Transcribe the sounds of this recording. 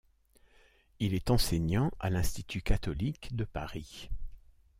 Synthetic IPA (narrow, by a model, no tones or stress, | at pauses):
ilɛt̪ɑ̃seɲɑ̃ʔa̰lɛ̃st̪it̪ʰykat̪ɔlikd̪əpaʁi